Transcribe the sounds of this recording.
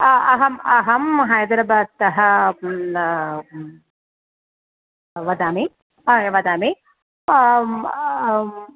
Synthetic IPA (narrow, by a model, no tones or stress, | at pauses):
ɐɦɐmɐɦɐmɦɐjɐd̪ɾɐbaːt̪ːɐɦɐ | ʋɐd̪aːme | ʋɐd̪aːme